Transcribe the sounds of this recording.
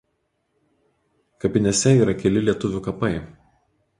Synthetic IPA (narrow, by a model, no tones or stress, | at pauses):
kɐpʲɪnʲɛsʲɛiːɾɐkʲɛlʲɪlʲiɛt̪ʊʋʲʊkɐpɐɪ